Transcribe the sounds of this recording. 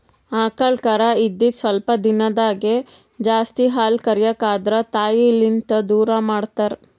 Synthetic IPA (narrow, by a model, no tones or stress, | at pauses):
aːkɐɭkɐɾɐid̪ːisʋɐlpɐd̪inɐd̪aːɡe | d͡ʒaːst̪iɦaːlkɐɾjɐkaːd̪ɾɐt̪aːjilːint̪ɐd̪uːɾɐmaːɽt̪aɾ